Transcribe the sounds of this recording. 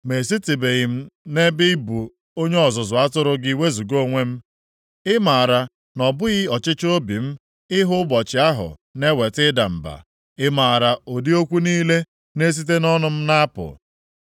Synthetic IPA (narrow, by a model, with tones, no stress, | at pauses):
me˨s̬i˦ti˨be˨ɣɪ˨m̩˦ne˦bɪ˦bu˨ | o˦ɲe˦ɔ˨zʊ˨zʊ˨a˦tʊ˦ɾʊ˦ɡi˨we˦zu˨ɡo˦ŋʷe˦m̩˦ | ɪ˦ma˨ɾa˨ | nɔ˨bʊ˦ɣɪ˦ɔ˨t͡ʃɪ˦t͡ʃo˦bi˨m̩˦ | ɪ˦ɦʊ˦ɡ͡bɔ˨t͡ʃɪ˨a˦ɦʊ̰˨ne˦we˨tɪ˦da˨m̩˨ba̰˨ | ɪ˦maː˨a˨ɾa˨o˨di˦o˦kʷu˦niː˦le˦ | ne˦s̬i˦t̬e˦nɔ˦nʊ˨m̩˦na˦pʊ̰˨